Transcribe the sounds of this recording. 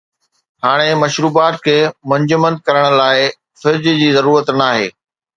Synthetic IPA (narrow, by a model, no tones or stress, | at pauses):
haːɽ̃emɐʃɾuːbaːt̪kʰeːmɐ̃ɲd͡ʑʊmə̃nd̪̚kɐɾəɽ̃ʊ̆laːɪ | fɪɾd͡ʑd͡ʑiːzɐɾuːɾət̪naːɦḛː